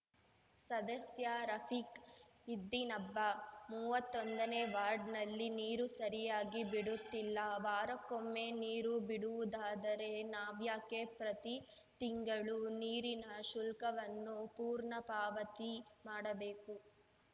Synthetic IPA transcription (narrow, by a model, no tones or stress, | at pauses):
sɐd̪ɐsjaɾɐpʰik | id̪ːinɐbːɐmuːʋɐt̪ːond̪ɐneːʋaːɾɖnɐlːiniːɾusɐɾijaːɡibiɽut̪ːilːɐʋaːɾɐkomːeniːɾubiɽuʋud̪aːd̪ɐɾe̞naːʋjaːkepɾɐt̪i | t̪iŋɡɐɭuniːɾinɐʃulkɐʋɐnːupuːɾɳɐpaːʋɐt̪imaːɽɐbeːku